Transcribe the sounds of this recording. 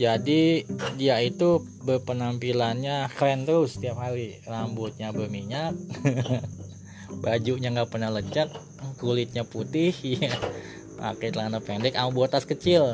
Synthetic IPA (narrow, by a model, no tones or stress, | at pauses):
d͡ʒadidiait̪u | bəpənampilanɲaklɛnt̪ʊst̪iapɦaɾirambʊt̪̚ɲabəmiɲak̚ | bad͡ʒuʔɲaŋɡaʔpərnahləd͡ʒək̪̚ː | ulɪt̪̚ɲaput̪ɪhja | a̰kajt̪əlanapendɛkamubot̪askət͡ʃɪl